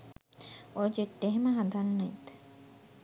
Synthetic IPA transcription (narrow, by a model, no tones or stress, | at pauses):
od͡ʒeʈːeɦemɐɦɐd̪anːɐit̪